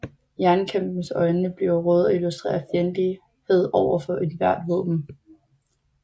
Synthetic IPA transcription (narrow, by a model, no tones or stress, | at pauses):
jæɐnkʰem̰b̥n̩sɒ̽ɪnəb̥liʊʁɔːð̩ˠilusd̥ʁḛːɐfjend̥i | he̝ð̞̰ˠɒʊɐfɒ̽ʔe̝d̥ʋæɐ̰d̥ʋɔ̰̽ːb̥m̩